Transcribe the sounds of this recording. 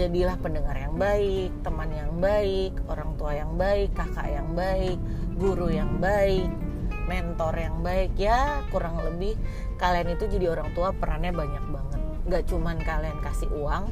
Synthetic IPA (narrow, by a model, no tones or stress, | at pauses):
d͡ʒadilahpəndəŋarjaŋbaɪk̚t̪əmanjaŋbaɪkoɾaŋt̪uajaŋbaɪkːaka̰ʔjaŋbaɪk̚ɡuɾujaŋbaɪk̚mɛnt̪ɔrjaŋbaɪkjakuɾaŋlə̰bɪh | kalianit̪ud͡ʒadioɾaŋt̪uapəɾanɲabaɲak̚baŋət̪̚ŋɡaʔt͡ʃumankaliankasɪuaŋ